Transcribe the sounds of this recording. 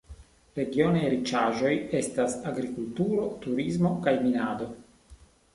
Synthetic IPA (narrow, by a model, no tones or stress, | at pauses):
ɾe̞ɡio̞nejɾit͡ʃaʒo̞je̞stasaɡɾikultuɾo̞tuɾizmo̞kajminado̞